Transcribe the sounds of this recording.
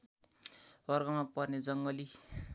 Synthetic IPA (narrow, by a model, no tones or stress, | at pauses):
bʌrɡʌmapʌrned͡zʌŋɡʌli